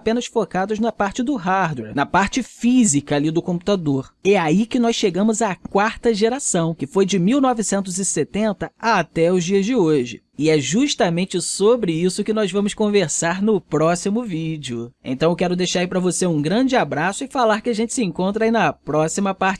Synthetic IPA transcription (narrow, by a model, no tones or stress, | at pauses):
pẽnɐsfokad̪ʊznɐpaɾt͡ʃɪd̪ʊɦaɾd̪wɛɾnɐpaɾt͡ʃɪfizikɐalid̪ʊkõpu̥t̪ad̪oɾɛaikɪnɔsʃeɡɐ̃mʊzakwaɾt̪ɐʒeɾasɐ̃w̃kɪfojd͡ʒɪmiwnɔvɪsẽnt̪ʊzɪset̪ẽnt̪ɐat̪ɛʊzd͡ʒiɐzd͡ʒɪoʒɪ̰ | ɪɛʒuʃt̪ɐmẽnt͡ʃɪsobɾɪisʊkɪnɔzvɐ̃mʊskõveɾsaɾnʊpɾɔsimʊvid͡ʒɪʊḛ̃nt̪ɐ̃ewkɛɾʊd̪ejʃaɾaipɾɐvoseũɡɾɐ̃d͡ʒɪabɾasʊɪfalaɾkɪaʒẽnt͡ʃɪ̥sɪẽŋkõnt̪ɾɐainɐpɾɔsimɐpaɾt͡ʃɪ